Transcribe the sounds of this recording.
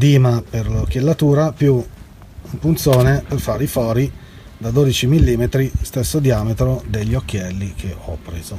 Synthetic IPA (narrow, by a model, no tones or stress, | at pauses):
d̪iːmaperlokjelːat̪uːɾapju | mpunt̪soːneperfaɾifɔːɾi | d̪ad̪oːd̪it͡ʃimilːiːmet̪ɾist̪esːod̪iaːmet̪ɾod̪eʎːokːjɛlːikʰeɔpːɾḛːzo